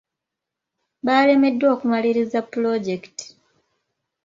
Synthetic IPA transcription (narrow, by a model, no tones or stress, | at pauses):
baːle̞me̞dːwo̞ːkumaliɾizapːulo̞ɟe̞kti̥